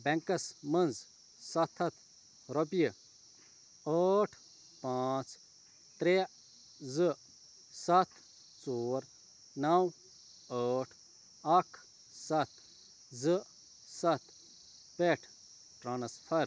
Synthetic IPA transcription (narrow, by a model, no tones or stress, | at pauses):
bɛ̃ŋkɐsmɐnd͡z | sɐt̪ʰɐt̪ʰ | ɾɔbijə | əːʈʰ | paːt͡s | t̪ɾe | zɨ | sɐt̪ʰ | t͡soːɾ | nɐw | əːʈʰ | ɐkʰ | sɐt̪ʰ | zɨ | sɐt̪ʰ | peʈʰ | ʈɾaːnspʰɐɾ